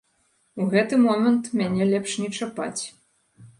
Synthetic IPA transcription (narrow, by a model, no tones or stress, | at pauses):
uɣɛt̪ɨmɔmɐnt̪mʲanʲɛlʲɛpʂnʲɛt͡ʂapa̰t͡sʲ